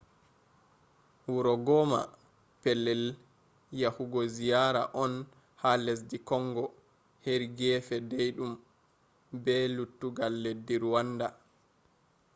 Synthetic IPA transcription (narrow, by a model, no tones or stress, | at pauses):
wuɾɔɡɔma̰ | pɛlːɛl | jahuɡɔzijaɾa̰ʔɔn | hales̬dikɔŋɡɔ | heɾɡɛːfɛdejɗum | bɛlutːuɡalːedːiɾuwanda